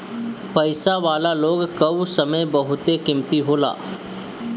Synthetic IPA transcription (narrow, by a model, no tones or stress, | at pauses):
pɐɪsaʋaːlaloːɡkɐwsɐməjbɐɦʊt̪ekɪmt̪iɦoːla̰ː